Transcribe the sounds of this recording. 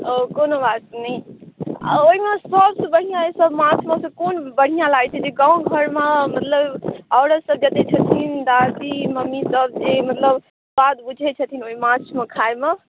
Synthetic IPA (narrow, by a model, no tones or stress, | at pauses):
okonobat̪nəia̰oɦimesəbsə̃bəɽ̤ijãesəbmãt͡ʃʰmesə̃konbəɽ̤ijãlaɡt͡ʃʰɛd͡ʒeɡãũɡʱəɾmemət̪ləbɔʊɾəsəbd͡ʒət̪et͡ʃʰət̪ʰind̪ad̪iməmːisəb̚d͡ʒemət̪ləb | bad̪bud͡ʒʱɛt͡ʃʰət̪ʰinoimãt͡ʃʰmekʰaeme